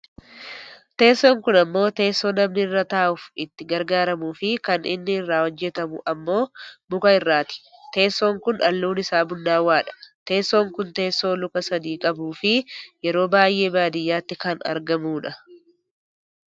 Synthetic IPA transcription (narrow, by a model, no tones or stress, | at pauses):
t̪e̞ːsːo̞ːŋkʊnɐmːo̞ːt̪e̞ːsːo̞ːnɐmnɪɪrːɐt̪aːʔʊfɪt̪ːɪɡɐɾɡaːɾɐmuːfɪkɐnɪ̰nːɪɪrːaːwɔd͡ʒːɛt̪ɐmʊ̰ʔɐmːo̞ːbʊkɐɪrːaːt̪ɪ̥t̪e̞ːsːo̞ːŋkʊnʔɐ̰lːuːnɪsaːbʊnːaːwaːᶑɐ̥t̪e̞ːsːo̞ːŋkʊnt̪e̞ːsːo̞ːlʊkɐsɐd̪iːkʼɐbuːfɪjɛɾo̞ːbaːjʔe̞ːbaːd̪ɪjːaːt̪ːɪkɐnɐ̰ɾɡɐmuːᶑɐ